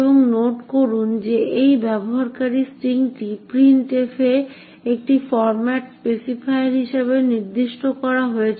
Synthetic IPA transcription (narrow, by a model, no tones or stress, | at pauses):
boŋnoʈkoɾund͡ʑeejbɛboɦaɾkaɾisʈɾiŋʈipɾinʈefe | ek̚ʈifɔɾmaʈspesifaeeɾɦiʃeβeniɾd̪iʃʈokɔɾaɦoet͡ɕʰ